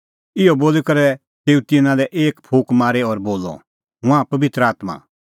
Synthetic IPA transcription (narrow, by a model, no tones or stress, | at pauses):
ɪɔboːlikɐɾɛ | t̪eːũt̪ɪnãlɛʔeːkpʰuːkmaːɾeɔɾboːlɔ̰ | ɦʊ̃ãpɐʋɪt̪ɾəaːt̪ma̰ː